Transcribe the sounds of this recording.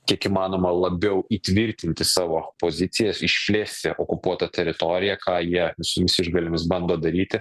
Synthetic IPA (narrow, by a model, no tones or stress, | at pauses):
kʲiɛkiːmɑːnoːmɐlˠɐbʲɛʊʔiːt̪ʲʋʲɪɾʲt̪ʲɪnʲt̪ʲɪsɑːʋoːpoːzʲɪt̪sʲɪjɛsɪʃʲpʲlʲeːsʲt̪ʲɪʔokʊpuɔt̪ɐt̪ʲɛɾʲɪt̪oɾʲɪjɛkɑːjiɛʋʲɪsʊmʲɪsʲɪʒɡɐlʲɪmʲɪsbɐnd̪oːd̪ɐɾʲiːt̪ʲɪ